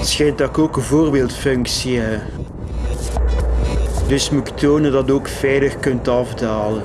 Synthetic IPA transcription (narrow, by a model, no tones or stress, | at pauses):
tsxɛjntakoːkənvoːrbeːlˠtfɵŋksiə | dɵsmuktʰoːnədɑtoːkfɛjləxkɵntɑvdaːlə